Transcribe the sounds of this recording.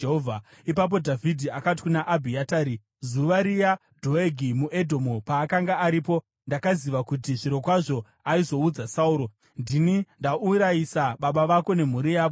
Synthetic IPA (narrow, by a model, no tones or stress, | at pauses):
ɦovʱa | ipap̬o̞dʱavʱidʱiakat̬i̥kunaʔabʱiataːɾi | zuʋaɾija | dʱo̞eɡʱimuʔe̞dʱo̞mupaːkaŋɡaːɾipo̞ | ndakaziʋakutiʐiɾo̞kwaʐo̞ | aizo̞ud͡zasauːɾo̞ | ndinindauɾajisaɓaɓaʋako̞ne̞m̤uɾijaːʋo